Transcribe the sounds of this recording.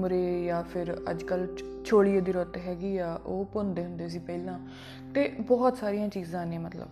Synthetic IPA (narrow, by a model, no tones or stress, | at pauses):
mɾeːjaːpʰɪɾə̰d͡ʒkəlt͡ʃʰoːɽijeːd̪iːɾɔt̪ɦɛːɡiːaːʔoːpond̪eːɦʊ̃nd̪eːs̬iːpəiːlãː | t̪eːbɔːt̪saːɾijãːt͡ʃiːzãːnẽːmət̪lə̰b